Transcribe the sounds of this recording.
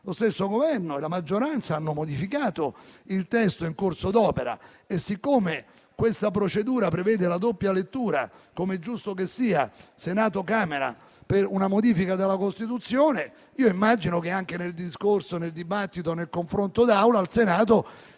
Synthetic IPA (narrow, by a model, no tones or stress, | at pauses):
lost̪esːoɡovɛrnoelamad͡ʒːoɾant̪saanːomod̪ifikaːt̪oilt̪ɛst̪oiŋkorsod̪ɔːpeɾa̰ | esːikːoːme | kwest̪apɾot͡ʃed̪uːɾapɾevɛːd̪elad̪opːjalet̪ːuːɾa̰komeɛd͡ʒːust̪ok̬esːiːa̰senaːt̪okaːmeɾa̰ | perunamod̪iːfikad̪elːakost̪it̪ut̪sːjoːne | iːoimːad͡ʒinok̟eaŋk̟eneld̪iskorsoneld̪ibat̪ːit̪onelkoɱfɾont̪od̪awlaːlsenaːt̪o